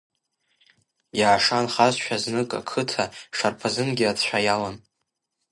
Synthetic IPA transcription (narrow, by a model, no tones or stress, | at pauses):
jaːʂanχazʃʷᶣaznɨkʼa̰kʰɨtʰaʂarpʰazɨnɡʲiatʰt͡ʃʷᶣajalan